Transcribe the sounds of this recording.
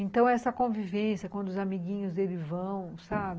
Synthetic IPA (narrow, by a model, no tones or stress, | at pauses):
ẽnt̪ɐ̃w̃ɛsɐkõvivẽsjɐkwɐ̃nd̪ʊzamiɡĩɲʊzd̪elɪzvɐ̃w̃sabɪ